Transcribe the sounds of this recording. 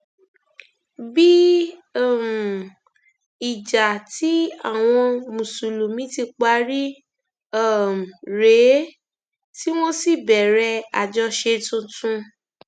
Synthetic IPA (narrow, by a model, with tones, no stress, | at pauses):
bi˦˨ | m˨ | i˨d͡ʒa˨ti˨˦a̰˦˨w̃ɔ̃˧mũ˨su˨lu˨mĩ˨˦ti˧k͡pa˧˦ɾi˦ | a˦˨m̩˨ɾe˨˦ | ti˦w̃õ˦si˦˨bɛ˨ɾɛ˧a˨d͡ʒɔ˧ʃe˧tũ˧tũ˦˧